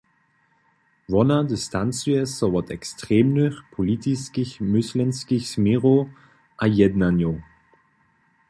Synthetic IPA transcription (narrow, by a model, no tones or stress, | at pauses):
vɔnadɪstʰant͡syɛsɔvɔtɛkstʁ̥eːmnyχpʰolitʰiskɪçmʏslɛnskɪçsmiʁo | ʔajɛdnanjo